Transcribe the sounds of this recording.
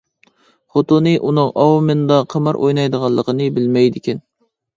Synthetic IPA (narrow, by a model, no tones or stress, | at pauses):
χot̪ʊnɨʔunɨŋʔɑwmɨnd̪ɑqʰəmɨɾʔo̰jnɑjd̪əʁɑlˠːəqənɨbɪlmɛjd̪ɪkʲɛn